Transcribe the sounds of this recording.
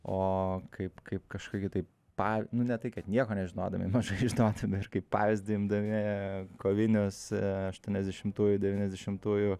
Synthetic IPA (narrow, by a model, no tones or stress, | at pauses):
oːkʰɐɪpkɐɪpkɐʃkoːkʲɪt̪ɐɪp | pɑːʋʲnʊnʲɛt̪ɐɪkɐt̪nʲiɛkoːnʲɛʒʲɪnoːd̪ɐmʲɪ̰mɐʒɐɪʒʲɪnoːd̪ɐmʲɪɪrkɐɪppɑːʋʲɪzʲd̪ʲɪɪmd̪ɐmʲɪkoːʋʲɪnʲʊsɐʃt̪uɔnʲɛzʲd̪ʲɛʃʲɪmt̪uːjʊd̪ʲɛʋʲiːnʲɛzʲd̪ʲɛʃʲɪmt̪uːjʊ